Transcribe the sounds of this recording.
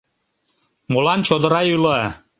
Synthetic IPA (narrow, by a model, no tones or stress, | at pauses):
molɑnt͡ɕod̪ə̆ɾɑylə